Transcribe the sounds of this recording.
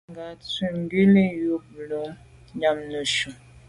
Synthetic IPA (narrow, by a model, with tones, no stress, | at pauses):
ŋɡa˨t͡si˨ŋ˦ɡi˦li˦ju˦blo˨˦m | ɲa˨mnə˨ʃu˨